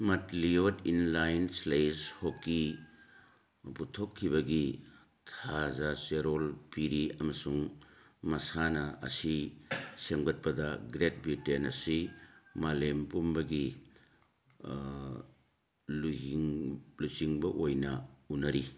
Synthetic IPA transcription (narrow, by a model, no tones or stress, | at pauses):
mɐtliotinlajnslejshokːi | putʰokʰːibɐɡi | tʰazaseɾolpiɾiɐmɐsuŋmɐsanɐɐ̰sisemɡɐt̚pɐdɐɡɾet̚bɾitenɐsimalempumbɐɡi | lu | lut͡ʃiŋbɐʔojnɐunɐɾi